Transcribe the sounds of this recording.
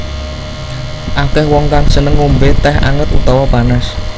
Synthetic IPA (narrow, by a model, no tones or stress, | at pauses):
ʔakɛhwɔŋkaŋsənəŋːumbet̪ɛɦa̰ŋət̪ut̪awabanəs